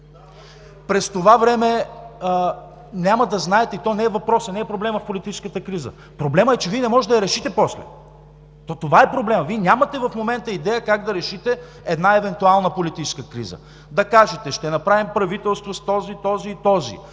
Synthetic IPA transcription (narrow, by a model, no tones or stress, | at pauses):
pɾɛst̪ovavɾɛmɛə | nʲaməd̪ɐznaɛt̪ɛit̪ɔnɛːvɐpɾɔsənɛːpɾoblɛməfpolit̪it͡ʃɛ̥skət̪əkɾizə̰ | pɾoblɛməɛt͡ʃɛviɛnɛmɔʒɛɐjɐɾɛʃit̪ɛpɔslɛ̰ | t̪ɔt̪ovaɛpɾoblɛmviɛnʲamɐt̪ɛvɐfmomɛnt̪əid̪ɛjəkaɡd̪ɐɾɛʃit̪ɛ | ɛd̪naɛvɛnt̪ualˠnəpolit̪it͡ʃɛ̥skəkɾḭzə̰ | d̪ɐkaʒɛt̪ɛʃt̪ɛnɐpɾavimpɾɐvit̪ɛlˠst̪vost̪ɔzit̪ɔziːt̪ɔzḭ